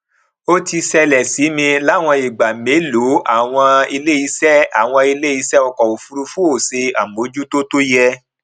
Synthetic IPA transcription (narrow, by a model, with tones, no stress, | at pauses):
o˦ti˧sɛ˧lɛ˨si˨˦mĩ˧la˦˨w̃ɔ̃˧i˨ɡ͡ba˨me˨˦lo˨˦a˦˨w̃ɔ̃˧i˧le˦i˨˧˦sɛ˦a˨w̃ɔ̃˧i˧le˦i˧˦sɛ˦ɔ˧kɔ˨o˨fu˧ɾu˧fũ˦o˦˨se˧a˨mo˨˦d͡ʒu˦to˦to˦jɛ˧